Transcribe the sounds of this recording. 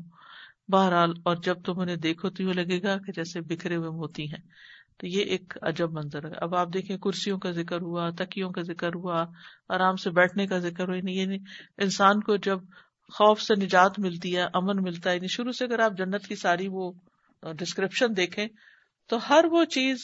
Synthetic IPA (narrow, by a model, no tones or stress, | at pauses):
baːɦəɾɦaːlɔːɾd͡ʒɐb̚t̪ʊmʊnẽd̪eːkʰoːt̪iõlɐɡeːɡaked͡ʒɛːsebɪkʰɾeɦʊemɦoːt̪iɦɛ̃ː | t̪ojeʔeːkɐ̰d͡ʒəbmɐ̃nzəɾɛa̰ːɐ̰baːp̚d̪eːkʰẽkʊɾsijõkazɪkəɾɦuat̪ɐkijõkazɪkəɾɦua | aːɾaːmsebɛːʈʰnekazɪkəɾɦuinĩjaːniɪnsaːnkod͡ʒɐb̚ | xɔːfsenɪd͡ʒaːt̪mɪlt̪iɦɛːʔɐmənmɪlt̪aɦɛnĩʃʊɾuseɐɡəɾaːp̚d͡ʒɐnːət̪kisaːɾiʋo | ɖɪskɾɪpʃənd̪eːkʰẽː | t̪oɦɐɾʋot͡ʃiːz